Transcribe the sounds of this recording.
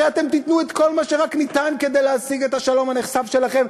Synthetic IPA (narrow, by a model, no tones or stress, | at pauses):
eat̪e̞mt̪it̪nuet̪ko̞lmaʃe̞ʁaknit̪anke̞d̪ejleasiɡet̪haʃalo̞mhaneχsavʃe̞laχe̞m